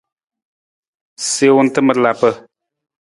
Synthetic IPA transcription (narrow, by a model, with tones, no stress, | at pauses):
se˦wʊ˦n˦tɨ˦mə˦ɾla˨pə˦